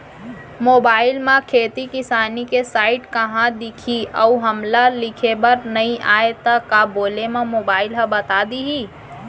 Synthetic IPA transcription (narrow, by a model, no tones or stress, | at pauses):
moːbaːɪlmãkʰeːt̪ikɪsaːnikesaːɪʈkəɦãd̪ɪkʰiəuɦəmlalɪkʰebəɾnəĩʔaːet̪əkaboːlemẽmoːbaːɪlɦəbət̪ad̪iɦiː